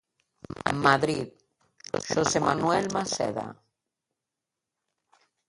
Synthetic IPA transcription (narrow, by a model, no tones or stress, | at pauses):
maðɾið | ʃosemanuwelmasḛða̰